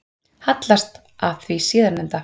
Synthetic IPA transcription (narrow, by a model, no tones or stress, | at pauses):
hat̪last̪ | aðθvisɪːðaɾnɛnt̪a